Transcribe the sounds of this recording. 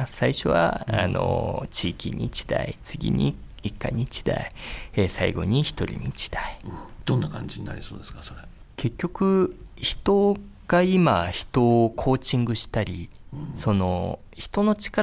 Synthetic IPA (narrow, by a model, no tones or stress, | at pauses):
saiɕo̞βa̰a̰no̞̰t͡ɕiːkʲiɲ̟it͡ɕi̥d̪a̰it͡sɨɡʲḭɲ̟i | ikːa̰ɲ̟it͡ɕi̥d̪̥a̰iesaiɡo̞̰ɲ̟içi̥t̪o̞ɾʲḭɲ̟it͡ɕi̥d̪̥aid̪̥õ̞nːakãɲd͡ʑiɲina̰ɾʲiso̞ːd̪esɨ̥kaso̞ɾe | ke̞kʲːo̞kɯ̟çi̥t̪o̞ | ɡ̥aimaçi̥t̪o̞kʰo̞ːt͡ɕĩŋɡɯ̟ɕi̥t̪aɾʲi | so̞no̞̰ | çi̥t̪o̞no̞t͡ɕi̥ka